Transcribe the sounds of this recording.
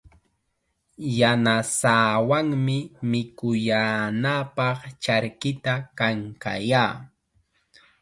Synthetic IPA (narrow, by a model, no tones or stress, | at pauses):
janasaːwaŋmɪmɪkʊjaːnapɑχt͡ʃaɾkɪt̪akaŋka̰jaː